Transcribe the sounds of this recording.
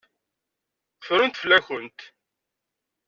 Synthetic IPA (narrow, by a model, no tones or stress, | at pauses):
qfɾʊnt̪flæçənt̪